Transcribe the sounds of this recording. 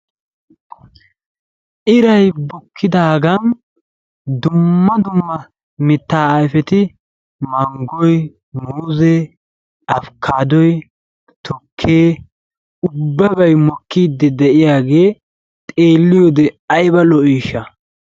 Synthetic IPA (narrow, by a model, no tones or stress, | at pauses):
ʔɪɾɐjbɔkʰːɪd̪aːɡɐn | d̪ʊmːɐd̪ʊmːɐ | mɪt̪ːaːjfɛt̪ɪ | mɐŋɡɔj | muːze | ɐfkʰaːd̪ɔj | t̪ʰɔkʰːeː | ʊbːɐbɐjmɔkːiːd̪ːɛd̪ɛʔɪjaːɡe̞ː | t̪ʼe̞ːlːɪjɔd̪ɛɐjbɐlɔʔiːʃɐ